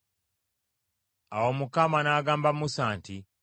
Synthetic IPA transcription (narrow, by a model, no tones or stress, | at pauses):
awomukamanaːɡaːmbamusaːnti